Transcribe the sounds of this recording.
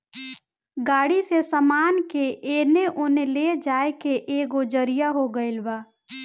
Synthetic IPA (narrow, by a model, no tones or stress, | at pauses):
ɡaːɽisesəmaːnkeʔeːneʔoneled͡ʒaːekeʔeːɡod͡ʒəɾijaɦoɡəɪlʋaː